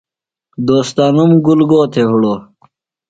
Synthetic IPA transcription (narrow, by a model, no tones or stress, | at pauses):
d̪oːst̪aːnumɡulɡoːt̪ʰeɦuɽoː